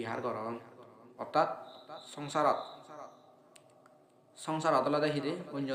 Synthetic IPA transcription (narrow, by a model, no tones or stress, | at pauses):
iɦa̰ɾɡɔɾɔnɔt̪at̪sɔŋsaɾ | sɔŋsaɾɔd̪ɔlɔd̪akʰiɾeund͡ʒɔ